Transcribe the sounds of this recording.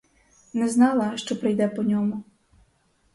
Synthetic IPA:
nɛznɑlˠɐʃt͡ʃɔpɾɪjd̪ɛpɔnʲɔmʊ

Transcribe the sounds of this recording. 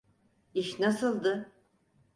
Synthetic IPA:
iʃnasɯlˠd̪ɯ

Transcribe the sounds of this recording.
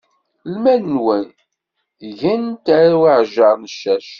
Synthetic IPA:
lmænnwən | ʝænt̪æɾawiʕʒɑɾˤnəʃːæʃ

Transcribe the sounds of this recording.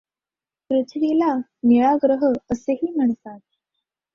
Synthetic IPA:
kɾut͡ɕʰɽilaniɭaɡɾəɦəəseɦiːm̤əɳ̃t̪at̪̚

